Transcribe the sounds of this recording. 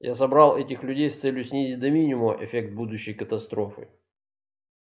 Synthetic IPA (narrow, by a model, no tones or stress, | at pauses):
jʔasɐbɾalˠɛtʲɪxlʲʉdʲejst̪sɛlʲjʊsʲnʲizʲɪt̚ʲd̪ɐmʲinʲɪmʊʔɪ̰fʲek̚t̪̚bud̪ʊɕːɪjkət̪ɐst̪ɾo̞fɨ̰